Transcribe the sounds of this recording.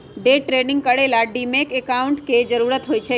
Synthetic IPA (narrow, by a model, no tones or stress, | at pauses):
ɖeʈɾenɪŋɡkəɽelaɖimekekauɳʈked͡ʒəɾuɾət̪ɦojt͡ʃʰe